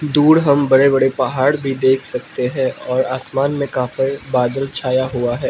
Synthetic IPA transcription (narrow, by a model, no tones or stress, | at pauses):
d̪uːɽɦɐmbɐɽebɐɽepɐɦaːɽbʱid̪eːkʰsɐk̚t̪eɦɛ̃ːʔɔːɾaːsmaːnmẽkaːfebaːd̪əlt͡ʃʰaːjaɦʊaɦɛː